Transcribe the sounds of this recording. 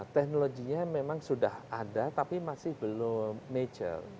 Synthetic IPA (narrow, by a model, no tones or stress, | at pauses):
t̪ɛk̚noloɡiɲamemaŋsudahadat̪apimasɪhb̥əlomed͡ʒə̰l